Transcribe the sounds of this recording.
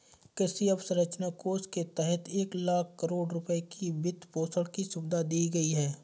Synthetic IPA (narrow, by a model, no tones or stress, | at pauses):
kɪsiəbsəɾət͡ʃnakoːsket̪ɛɦɛt̪ʰeːklaːkʰːəɾoːɖɾʊpəekʰibɪt̪ːpoːsəɭkisʊbd̪ʱad̪iːɡɐiɦɛː